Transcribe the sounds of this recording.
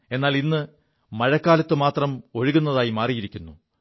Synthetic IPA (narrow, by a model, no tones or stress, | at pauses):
e̞nːaːlinːɨ | mɐɻɐkːaːlɐt̪ːɨmaːt̪rɐmo̞ɻuɣunːɐðaːjimaːrijiɾikʲːunːu